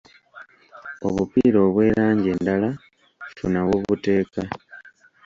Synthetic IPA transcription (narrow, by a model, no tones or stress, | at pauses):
o̞βupiːɾo̞ːβwe̞ːɾaːɲɟe̞ːndala | funaβwoβute̞ːka